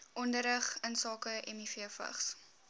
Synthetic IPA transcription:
ʔɔndəɾəχənsɑːkəʔɛmifiəfə̰χs

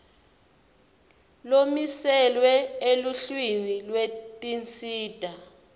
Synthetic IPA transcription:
lomisɛlwɛeluɬwinilwetʼint͡sʼiːd̥ʱa

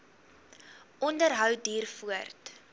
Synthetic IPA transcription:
ʔɔndərɦœwdiːrfuərt

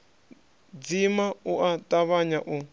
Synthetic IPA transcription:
d͡zimauʔatʼaβaɲaʔu

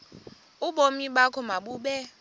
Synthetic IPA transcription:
uɓomiɓakʰɔmaɓuːɓɛ

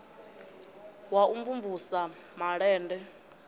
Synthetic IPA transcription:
wauɱvuɱvusa | maɺɛːndɛ

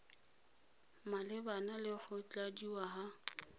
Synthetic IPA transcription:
malɪbanalɪχʊt͡ɬʼadiwaɦa

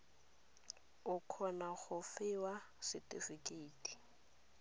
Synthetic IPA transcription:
ʊkʰɔnaχʊfɪwa | sɪtʼifikʼeitʼi̥

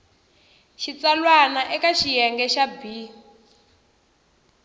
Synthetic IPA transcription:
ʃit͡salwanaʔɛkaʃijɛŋɡɛʃabi

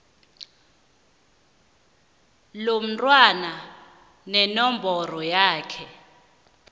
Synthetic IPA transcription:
lom̩tʼwana | nɛnɔmbʱɔrɔjaːkʰɛ

